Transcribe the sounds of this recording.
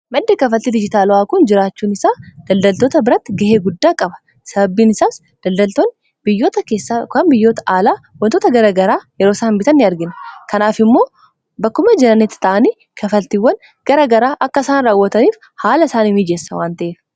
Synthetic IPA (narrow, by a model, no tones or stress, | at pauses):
mɐd̪ːeːkɐfɐlt̪ːɪd̪ɪd͡ʒɪt̪aːlʊaːkʊnd͡ʒɪɾaːt͡ʃːuːnɪsaːd̪̥ɐld̪ɐlt̪oːt̪ɐbɪɾɐt̪ːɪɡɐheːɡʊd̪ːaːkʼɐbɐ̥ | sɐbɐbːiːnɪsaːs | d̪̥ɐld̪ɐlt̪on | bɪjːoːt̪ɐke̞ːsːakɐnbɪjːoːt̪ɐ̥ʔaːlaː | wɐnt̪oːt̪ɐɡɐɾɐɡɐɾaːjɛɾo̞ːsaːmbɪt̪ɐnːɪɐɾɡɪnkɐnaːfɪmːo̞ː | bɐkːʊmɐd͡ʒɛnɐnɛt̪ɪ̥t̪ɐʔɐniː | kʰɐfɐlt̪ɪwːɐn | ɡ̥ɐɾɐɡɐɾaːʔɐkːɐsaːnɾaːwːɐt̪ɐniːf | haːlɐsaːnimiːd͡ʒeːsːɐwaːnt̪ɐʔeːf